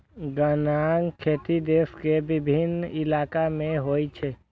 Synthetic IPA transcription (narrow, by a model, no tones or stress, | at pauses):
ɡənaŋkʰet̪id̪eskebibʱinilakamẽɦojt͡ʃʰɛ